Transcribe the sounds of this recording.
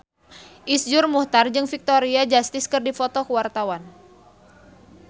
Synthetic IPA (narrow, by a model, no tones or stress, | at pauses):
ʔisd͡ʒʊrmuht̪ard͡ʒɨŋfik̚t̪oɾiad͡ʒast̪ɪskɨrdifot̪ɔkəwart̪awan